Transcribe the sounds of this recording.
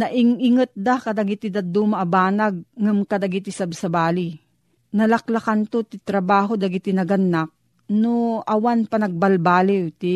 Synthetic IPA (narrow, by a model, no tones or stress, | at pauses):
nɐʔɪŋɪŋɐt̪̚d̪akɐd̪ɐɡɪt̪ɪd̪ɐd̪uːmɐʔːbaːnaɡ̚ŋamkɐd̪aɡɪt̪ɪsɐbsɐbaːli | nɐlɐklɐkant̪ot̪ɪt̪ɾɐbaːɦod̪ɐɡɪt̪ɪnɐɡɐnːak̚ | noʔɐwanpɐnɐɡ̚bɐlbaːlɪwt̪i